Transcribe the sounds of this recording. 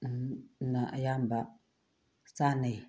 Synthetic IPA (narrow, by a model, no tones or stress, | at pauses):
naʔjambaʔ | sane